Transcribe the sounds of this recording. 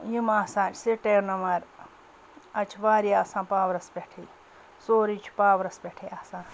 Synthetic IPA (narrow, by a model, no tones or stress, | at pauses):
jimaːsãːt͡ʃʰsiʈeːɾnɐmɐɾ | ɐt͡ʃʰʋaːɾiasãːpaːʋɾɐspʲeʈʰi | soːɾit͡ʃʰu̥paːʋɾɐspʲeʈʰiːaːsãː